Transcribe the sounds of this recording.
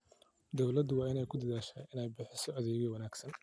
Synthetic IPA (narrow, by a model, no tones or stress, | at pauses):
d̪ɔwlɐd̪ʊwɑːɪnɛjkʰʊd̪ɐðaːʃaːɪnɛjbɪħɪsɔɐðɛːɣɛwɐnaːɡsɐn